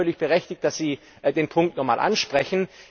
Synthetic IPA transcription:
œɐlɪçb̥əʁɛçtɪçt̚d̥asz̥iː | deːnpʰʊŋk̚tnɔχmaːlʔa̰nʃpʁ̥ɛçn̩

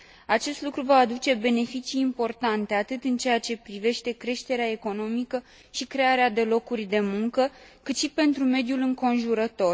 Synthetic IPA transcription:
at͡ʃe̞st̪lukɾuvaːd̪ut͡ʃe̞be̞ne̞fit͡ʃiːmpo̞rt̪ant̪e̞at̪ɨt̪ɨnt͡ʃe̞jat͡ʃe̞pɾive̞ʃt̪e̞kɾe̞ʃt̪e̞ɾeae̞ko̞no̞mikə | ʃikɾe̞aɾead̪e̞lo̞kurʲd̪e̞muŋkəkɨt̪ʃipe̞nt̪ɾume̞d̪julɨŋko̞nʒuɾət̪o̞r

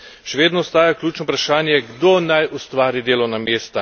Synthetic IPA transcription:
ʃɛʋeːd̪nɔɔst̪aːjaklʲuːt͡ʃnɔupɾaʃaːnjɛɡd̪oːnajʔust̪ʋaːɾid̪eːlɔnameːst̪a

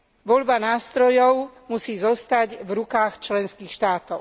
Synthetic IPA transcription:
ʋɔʎbanaːst̪ɾɔjɔʊmusiːzɔst̪aɟvɾukaːxt͡ʃlɛnskiːxʃt̪aːt̪ɔʊ

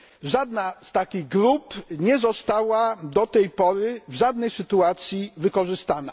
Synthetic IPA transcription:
ʐad̪nast̪akʲiɣɡɾupɲɛzɔst̪awad̪ɔt̪ɛjpɔɾɘvʐad̪nɛjsɘt̪uat̪sʲjivɘkɔʐɘst̪ana̰

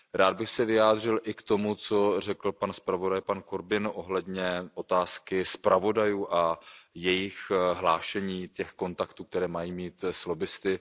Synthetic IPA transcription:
ɾaːd̪̚bɪxsɛvɪaːd̪r̝ɪlʔɪkt̪o̞mut͡so̞r̝ɛkl̩panspɾavo̞dajpankoɾbɪnʔo̞ɦlɛdɲɛʔo̞t̪aːskɪspɾavo̞dajuːʔajɛjɪxɦlaːʃɛɲiːcɛxko̞nt̪akt̪uːk̚t̪ɛɾɛːmajiːmiːt̪slobɪst̪ɪ

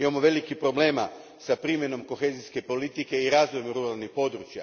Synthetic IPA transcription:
imamoʋe̞likipɾo̞ble̞ːma | sapɾimje̞no̞mko̞xeziske̞po̞lit̪ike̞iɾazʋojmɾuɾalˠnixpo̞d̪ɾut͡ʃja̰

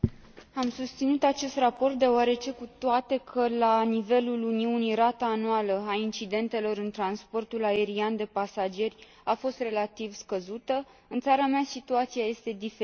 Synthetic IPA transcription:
amsust̪sinut̪at͡ʃe̞st̪rapo̞rt̪̚d̪e̞oaɾe̞t͡ʃe̞kut̪oat̪e̞kʰəlanive̞luluniunijrat̪aːnualəaint͡ʃid̪e̞nt̪e̞lo̞ɾɨnt̪ɾanspo̞rt̪ulae̞ɾiand̪e̞pasad͡ʒe̞rʲ | afo̞st̪re̞lat̪ivskəzut̪ə | ɨnt̪saɾameasit̪uat̪sijaje̞st̪e̞d̪ife

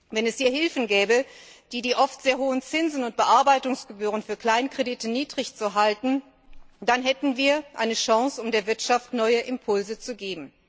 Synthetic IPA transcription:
vɛnɛshiːɐhɪlfn̩ɡɛːbəd̥iːdiːʔɔftz̥eːɐɦoːənt͡sɪnzn̩ʊnt̚b̥əʔaɐbaɪtʊŋsɡ̥əbyːʁ̞ənfyːɐkl̥aɪnkʁ̥editəniːdʁɪçt͡suɦaltn̩ | d̥anɦɛtn̩viːɐʔa̰ɪnəʃaŋsʊmdeːɐvɪɐtʃaftnɔʏəʔɪmpʰʊlzət͡suɡeːbm̩

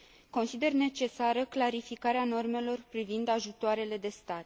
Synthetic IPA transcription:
ko̞nsid̪e̞rne̞t͡ʃe̞saɾəklaɾifikaɾeano̞rme̞lo̞rpɾivind̪aʒut̪oaɾe̞le̞d̪e̞st̪at̪

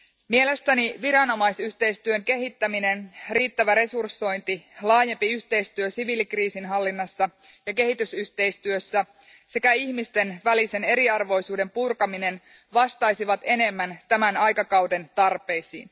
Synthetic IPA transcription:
mie̞le̞st̪æniʋiɾɑno̞mɑjsyht̪e̞ijst̪yø̞ŋke̞ɦit̪ːæmine̞nriːt̪ːæʋæɾe̞sursːo̞jnt̪ilɑːjempiyht̪e̞jst̪yøsiʋilikriːsinɦɑlːinːɑsːɑ | jɑke̞ɦit̪ysyht̪e̞jst̪yøsːæ | se̞kæiçmist̪e̞nʋælise̞ne̞ɾiɑrʋo̞jsuːde̞mpurkɑmine̞n | ʋɑst̪ɑjsiʋɑt̪e̞ne̞mːænt̪æmænɑjkɑkɑwde̞nt̪ɑrpe̞jsḭːn

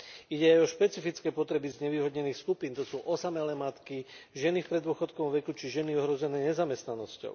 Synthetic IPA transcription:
iɟɛajɔʃpɛt͡sifit͡skɛːpɔt̪ɾɛbizɲɛʋiːɦɔd̪ɲɛniːxskupiːnt̪ɔsuːʔɔsamɛlɛːmat̪kiʒɛnifpɾɛd̪ʊɔxɔt̪kɔɔmʋɛkut͡ʃiʒɛniɔɦɾɔzɛnɛːɲɛzamɛst̪nanɔscɔ̰ʊ

